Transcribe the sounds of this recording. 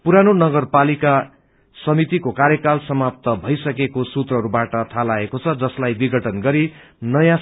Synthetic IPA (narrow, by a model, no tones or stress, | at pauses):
puɾanonʌɡʌrpalika | sʌmit̪ikokaɾjʌkalsʌmap̚t̪ʌbʱʌjsʌkekosut̪rʌɦʌɾubaʈʌt̪ʰalaekot͡sʰʌd͡zʌslajbiɡʱʌʈʰʌnɡʌɾi | nʌjã